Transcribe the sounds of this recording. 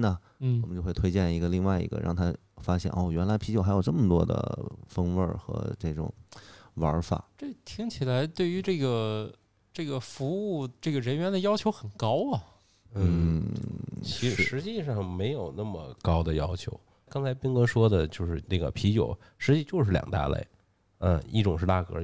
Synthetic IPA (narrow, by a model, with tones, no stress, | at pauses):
nə˨˥ | wwɔ˨˩mə˦t͡ɕjʊxwt̪ʰwe˥ɪt͡ɕjɛ˥˩ni˧˥ɡə˧li˥˧ŋwa˥˩ɪḭ˧˥ɡə̰˧ɻʔɑ̰˥˩ŋt̪ʰa˥ | fa˥ɕjɛ̰˥˩nʔo˥˩ɥɛ˧˥nla˧˥ɪpʰi˧˥t͡ɕjo˨˩xa˧˥ɪjʊʈ͡ʂɤ˥˩mə˩t̪wɔ̰˥d̪ə̰˧˩fə˥ŋwə̰˞˥˩xɤ̰˧˥ʈ͡ʂɤ˥˩ʈ͡ʂʊ̰˨˩˦ŋwə˞˧˥fa̰˨˩˦ʈ͡ʂɤ˥˩t̪ʰi˥ŋt͡ɕʰi˨˩la˧˥ɪt̪we˥˩ɪy˧˥ʈ͡ʂɤ˥˩ɡə˩ | ʈ͡ʂɤ˥˩ɡə˩fu˧˥u˥˩ʈ͡ʂɤ˥˩ɡə˩ɻə˧˥nɥɛ˧˥nd̪ə˧jɑ˥t͡ɕʰjo˧˥ʊxə˨˩nkɑ˥ʊɐ˩ | n̩n̩˥˩ | t͡ɕʰi˧˥ʂɻ̩˥ʂɻ̩˧˥t͡ɕi˥˧ʂɑ˥˩ŋme˧˥ɪjo˨˩ʊna˥˩mə˩kɑ˥ʊd̪ə˨jɑ˥ʊt͡ɕʰjo̰˧˥ʊ | kɑ˥ŋt͡sʰa˧˥ɪpi˥ŋkɤ˧˥ʂwɔ˥d̪ə˨t͡ɕjo˥˧ʊʂɻ̩˥˧na˥˩ɡə̰˩pʰi˧˥t͡ɕjo̰˨˩ʊ | ʂɻ̩˧˥t͡ɕi˥˧t͡ɕjo˥˧ʊʂɻ̩˥˩ljɑ̰˨˩ŋt̪a̰˥˧lḛ˥˩ɪ | ə˧ḭ˥˩ʈ͡ʂʊ˨˩ŋʂɻ̩˥˧t̪a̰˥˩kɤ˧˥